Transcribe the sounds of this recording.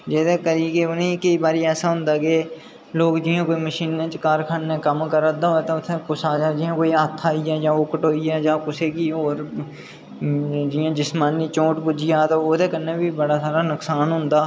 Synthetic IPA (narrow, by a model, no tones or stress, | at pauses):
d͡ʒɛːt̪ekəɾikeʊnẽkəibaːɾiɛːsaɦʊ̃ːnd̪aːkeː | loːkd͡ʒiːɦãkoːiməʃiːnːẽːt͡ʃkaːɾkʰaːnːẽkəmkəɾad̪aɦoːt̪aʊt̪ʰekʊsaːd͡ʒad͡ʒiːɦãkoːiaːt̪ʰːaːiɛːd͡ʒãːʊkəʈoːiɛːd͡ʒãːkʊseːkioːɾ | d͡ʒiːãːd͡ʒɪsmaːnːit͡ʃõːʈpʊd͡ʒijaːt̪ooːt̪ekənːabʱibəɽasaːɾanʊksaːnɦʊ̃ːnd̪aː